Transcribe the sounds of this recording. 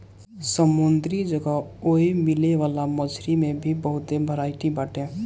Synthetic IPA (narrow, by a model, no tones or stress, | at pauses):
səmʊnd̪ɾid͡ʒəɡaoemɪleʋaːlaməd͡ʒɾimẽbʱibəɦʊt̪ːebʱəɾaːiʈ̪ibaːʈẽː